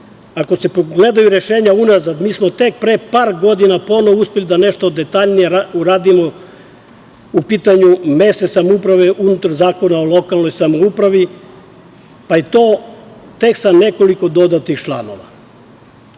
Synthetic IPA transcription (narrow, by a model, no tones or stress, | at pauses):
ako̞se̞poɡle̞d̪ajuɾe̞ʃeːɲaunazad̪miːsmo̞t̪e̞k̚pɾepaːɾɡo̞d̪inapo̞nouspʲe̞lid̪ane̞ʃt̪o̞d̪e̞t̪aʎnijeɾauɾaːd̪imo | upiːt̪aɲumesesamoupɾaʋeʔunut̪aɾzaːko̞nao̞lˠo̞kalˠno̞jsamoupɾaʋi | pait̪o̞ː | t̪e̞ksane̞ko̞liko̞d̪o̞d̪at̪ixt͡ʃlˠano̞ʋa̰